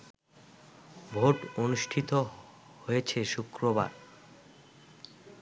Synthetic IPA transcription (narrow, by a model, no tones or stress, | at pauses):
bʱoʈonuʃʈʰit̪o | hojet͡ɕʰeʃukɾoba̰ɾ